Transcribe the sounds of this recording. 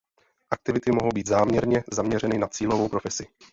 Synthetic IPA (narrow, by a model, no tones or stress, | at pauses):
ʔak̚t̪ɪvɪt̪ɪmo̞ɦowbiːt̪zaːmɲɛɾɲɛzamɲɛrɛnɪnat͡siːlo̞vowpɾo̞fɛsɪ